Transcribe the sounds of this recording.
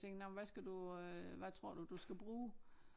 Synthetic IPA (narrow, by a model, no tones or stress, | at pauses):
eŋɡ̥nɒmʋæsɡ̥æd̥uʋæt͡sʰʁo̝ɐ̰d̥ud̥usɡ̥æb̥ʁuː